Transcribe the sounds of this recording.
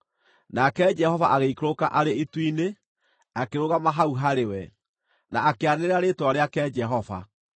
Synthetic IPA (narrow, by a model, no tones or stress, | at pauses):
nakɛd͡ʒɛhɔvaʔaɣeikɾokaʔaɾeitwine | akeɾoɣamaɦauɦaɾewɛ | naakeaneeaɾetwaɾeakɛd͡ʒɛɦɔva̰